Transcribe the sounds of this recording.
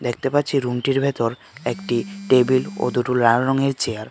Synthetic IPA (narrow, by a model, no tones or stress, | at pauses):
d̪ek̚ʰt̪epatːɕʰiɾunʈiɾbʱet̪oɾ | ekʈiʈebilo̰d̪uʈulɾaɾɔŋeɾt͡ɕeaɾ